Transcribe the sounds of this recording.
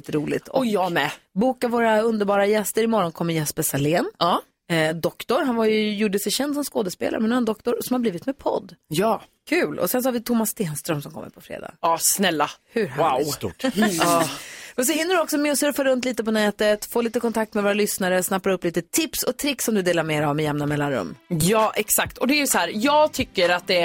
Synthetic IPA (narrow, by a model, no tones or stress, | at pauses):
iːt̪əɾuːlɪ̰tt̪ʰɔmɛbuːkavoːɾaɵnd̪əɾbɑːɾajɛst̪əɾɪmɔɾɔnkʰɔmːəɾjɛspəsaleːnː | d̪ɔkt̪ɔɾɦanvajɵjuɖːəsɛɕɛnd̪sɔmskoːd̪əspḛːla̰ɾmɛnːɛnd̪ɔkt̪ɔɾsɔmhaɾbliːvɪt̪mɛpʰɔ̰d̪ːjɑːkʰʉ̟ːlʔɔ̰sɛnsɔhaɾvɪt̪ʰʊmːasːt̪eːnst̪ɾœmsɔmkʰɔ̰mːə̰ɾpʰɔfɾḛːd̪ɑ̰ːɡɑːsnɛlːahʉwaʊst̪ṵːʈɑːmɛns̬ɔhɪnːəɖɵɔksɔmɛɔsɵɾfaɾɵnt̪liːt̪əpɔnɛːt̪ət̪foːliːt̪əkɔnt̪ʰak̚t̪mɛvoːɾalʏsnaɾəsnapːaɾɵpːliːt̪ət̪ʰɪpsɔt̪ʰɾɪkːsɔmd̪ɵd̪eːlaɾmeːɾavmɛjɛmnamɛlːanɾɵ̰mːjɑːʔɛksakt̪ʰɔd̪ɛæɾjɵsɔhæːɾjɑːɡt̪ʰʏkːəɾat̪̚d̪ɛ